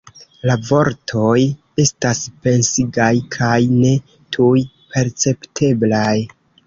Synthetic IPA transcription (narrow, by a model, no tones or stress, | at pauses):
lavo̞ɾtʰo̞j | e̞staspe̞nsiɡajkʰajne̞ | tʰuj | pʰe̞ɾt͡se̞ptʰe̞blaj